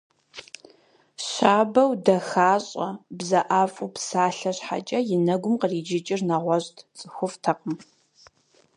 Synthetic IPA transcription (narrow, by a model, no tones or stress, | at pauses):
ɕaːbɐwdɐxaːɕʼɐ̰bzɐʔaːfʼupsaːɬɐɕħa̰t͡ʃʼɐjɪnɐɡʷʊmqəriːd͡ʒɪt͡ʃʼɪrnɐʁʷɔʑtʰt͡sʼɨxʷʊftʰɐqəm